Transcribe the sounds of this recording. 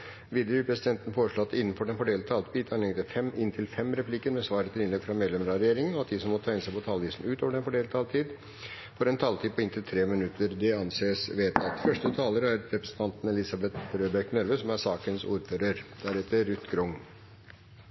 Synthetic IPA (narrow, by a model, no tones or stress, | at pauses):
ʋiːd̪əɾɪpʰɾɛsɪd̪ɛnt̪n̩foːɾəʂɭoɑt̪ːɪnːn̩fɔɖɛnfɔɖeːlʰɑːlt̪biːt̪ʰɑnɛŋt̪əfɛmɪnt̪ʰɪlfɛmɾɛpʰliːkəɾmɛsʋɑːɾət̪ʰɪlɪnlɛɡfɾɑmeːd̪lɛmɾɑɾɛjeːɾɪŋənɔɑt̪̚d̪ɪsɔmɔt̪ʰæɪɪnsæɪpʰɔt̪ʰɑːlʋiːsn̩ʉːt̪oːʋəɖɛnfɔɖeːlt̪ʰɑːlt̪ʰiːd̪ | fɔɾɛnt̪ʰɑlt̪iːd̪̚pɔɪnt̪ʰɪlt̪ʰɾeːmɪnʉt̪ʰːəɾd̪ɛɑnseːsʋeːt̪ɑt̪fœʂʈət̪ʰɑːləɾəæɾɾɛpɾɛsn̩t̪ʰɑnt̪nɛlɪsɑbɛt̪ɾøːbɛknœɾʋəsɔmæsɑːkənsṵːɾføːɾəɾd̪̥æɾɛt̪ːəɾʉt̪ːɡɾʊŋ